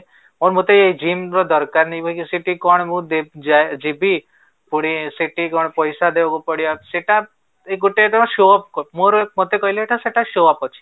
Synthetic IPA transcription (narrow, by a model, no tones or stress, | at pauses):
moɾmot̪eeid͡ʒimɾɔd̪ɔɾkaɾnɛjbʱɔikisiʈikɔɽ̃mũd̪ed͡ʒaed͡ʒibi | puɽ̃isiʈikɔɽpɔjsad̪ebakupɔɽijaseʈa | ekɡuʈet̪ɔmaʃoɔpkmoɾmot̪ekɔileeʈʰaseʈaʃoapɔt͡ʃʰi̥